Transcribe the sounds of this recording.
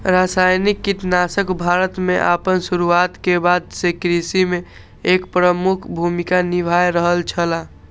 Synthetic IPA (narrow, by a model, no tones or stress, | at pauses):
ɾasajnikːit̪nasəkbʱaɾət̪meʔa̰pənsuɾuat̪kebad̪sekɾisimẽ | ekpɾəmukʰbʱumikanibʱajɾəɦəlt͡ʃʰəla